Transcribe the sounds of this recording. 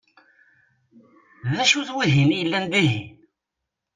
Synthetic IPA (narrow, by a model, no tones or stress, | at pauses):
ðæʃuθwiɦimjəlːænd̪iɦi